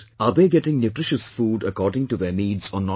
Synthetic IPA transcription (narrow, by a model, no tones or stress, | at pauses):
aːbeːɡɛʈɪ̃ŋnjuːʈɾɪʃəsfuːɖəkɔːɾɖɪ̃ŋʈuðeːniːɖzɔ̃ːnːɔ